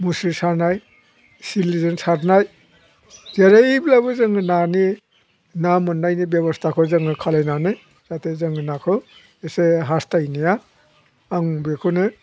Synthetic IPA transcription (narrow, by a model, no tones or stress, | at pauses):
musisaɾnaj | silizɯnsaɾnaj | zeɾaiblabɯzɯŋɯnani | namɯnːajnibebɔstʰakʰɔzɯŋɯkʰalajnanɯ | z̥atʰezɯŋɯnakʰɯ | eseɦastajnijaː | ŋbekʰɔnɯ